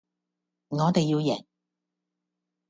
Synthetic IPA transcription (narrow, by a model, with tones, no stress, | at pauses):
ŋɔː˨˧t̪e˨jːiː˧wjɛː˨˩ŋ